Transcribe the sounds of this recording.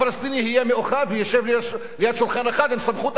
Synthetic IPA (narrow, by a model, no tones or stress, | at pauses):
alast̪inihijemeʔoχavejeʃevl | lijad̪ʃulχaneχat̪imsamχut̪